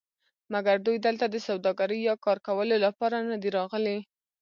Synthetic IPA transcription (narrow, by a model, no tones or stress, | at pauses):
maɡaɾd̪ujd̪əlt̪ad̪əsawd̪ɑɡaɾəjjɑkɑɾkawəlolapɑɾanad̪iɾɑɣəle